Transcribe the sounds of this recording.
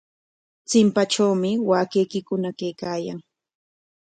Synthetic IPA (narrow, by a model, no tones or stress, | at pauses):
t͡sɪmpaʈ͡ʂawmɪwaːkejkɪkʊnakejkaːjaŋ